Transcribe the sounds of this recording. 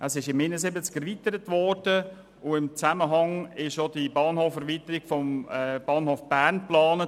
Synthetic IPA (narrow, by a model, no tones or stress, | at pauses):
ʔəsɪʃɪmːiːnəsɪbət͡skɛɾʋitəɾətvɔɾd̥ə | ʊɪmt͡sæməɦɑŋɪʃodibɑːnɦoːfɛɾʋitəɾiɡ̥fɔmb̥ɑːnhoːfb̥æɾnplɑːnə